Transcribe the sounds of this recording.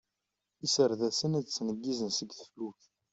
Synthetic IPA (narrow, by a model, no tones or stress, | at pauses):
isəɾðæsənæt͡sːnəɡːizənsəɡθə̥fluç